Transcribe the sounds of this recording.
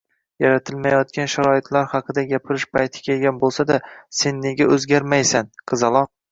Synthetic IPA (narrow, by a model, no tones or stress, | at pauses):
jaɾat̪ʰɪlmajɒt̪̚kʲanʃaɾɒɪt̪ʰlaɾhɑqʰɨd̪aɡʲapʰɪɾɪʃpʰajt̪ʰɪ̥kʲʰelɡʲanbolˠsad̪ase̞nːe̞ɡʲaɵzɡʲaɾmajsanqʰɨzɑlˠɒq̚